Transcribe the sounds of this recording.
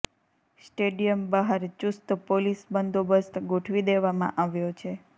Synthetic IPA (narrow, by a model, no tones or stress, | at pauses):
sʈeɖijəmbəɦaɾt͡ʃust̪polisbənd̪ʱobəst̪ɡoʈʰʋid̪eʋamã̰ʔaʋjot͡ʃʰe